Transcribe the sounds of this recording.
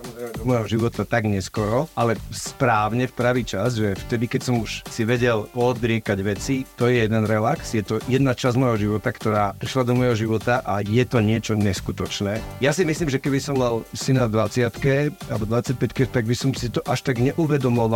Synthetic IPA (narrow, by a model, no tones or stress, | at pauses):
ɔɔd̪ɔmɔjɦɔʒiʋɔt̪at̪aɡɲɛskɔɾɔʔalɛspɾaːʊɲɛfpɾaʋiːt͡ʃasʒɛft̪ɛd̪ikɛcsɔmuʃsiʋɛɟɛlɔd̪ɾɪɛkaɟʋɛt͡sit̪ɔjɛjɛd̪ɛnɾɛlaksjɛt̪ɔjɛd̪nat͡ʃazmɔjɦɔʒiʋɔt̪akt̪ɔɾaːpɾiʃlad̪ɔmɔjɦɔʒiʋɔt̪aʔajɛt̪ɔɲɪɛt͡ʃɔɲɛskut̪ɔt͡ʃnɛːjasimisliːmʒɛkɛbisɔmmalsinad̪ʋat͡sɪat̪kɛalɛbɔd̪ʋat͡sac̚pɛckɛt̪aɡbisɔmsit̪ɔʔaʃt̪aɡɲɛʔuʋɛd̪ɔmɔʋa